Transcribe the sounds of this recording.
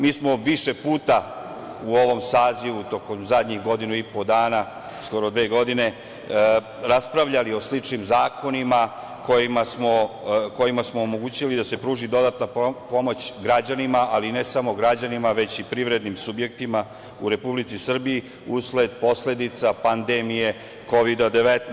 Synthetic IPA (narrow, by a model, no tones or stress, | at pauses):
miːsmo̞ʋiʃe̞puːt̪a | uo̞ʋo̞msaːziʋut̪o̞komzad̪ɲiɣɡo̞d̪inuipo̞d̪aːna | sko̞ɾo̞d̪ʋe̞ːɡo̞d̪ine̞ | ɾaspɾaʋʎalio̞slit͡ʂnimzaːko̞nima | ko̞jimasmo̞ko̞jimasmo̞ːmo̞ɡuːt͡ɕilid̪ase̞pɾuːʒid̪o̞d̪at̪napo̞mo̞t͡ɕɡɾad͡ʑanimaʔaline̞samo̞ɡɾad͡ʑanimaʋe̞t͡ɕipɾiʋɾe̞d̪nimsubje̞k̚t̪ima | uɾe̞publit̪sisr̩biji | usle̞d̪po̞sle̞d̪it̪sapand̪emije̞ | ko̞ʋid̪ad̪e̞ʋet̪n